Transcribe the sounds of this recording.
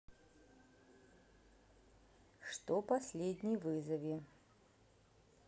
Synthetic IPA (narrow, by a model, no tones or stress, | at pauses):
ʂt̪opɐsʲlʲedʲnʲijvɨzɐvʲɪ